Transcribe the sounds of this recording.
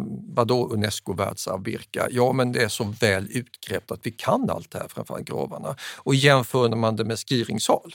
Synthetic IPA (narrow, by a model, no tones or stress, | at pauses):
vad̪oʔɵnɛskʊvæ̰ːɖsa̰vːɪ̰ɾka̰jɑːmɛnd̪ɛæʂɔvɛːlʉ̟ːt̪kʰɾɛːp̚t̪ʰat̪vɪkʰanːa̰lt̪̚d̪hæ̰ːɾfɾa̰mfəɾa̰l̚ɡɾɑ̰ːvaɳaɔjɛmfœːɳəmand̪ɛmɛskiːɾɪŋsɑːl